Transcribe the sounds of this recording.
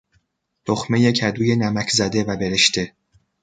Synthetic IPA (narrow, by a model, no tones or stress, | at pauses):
t̪ʰoxme̞jecʰæd̪uːje̞næmæcʰzæd̪e̞væbeɾe̞ʃt̪e̞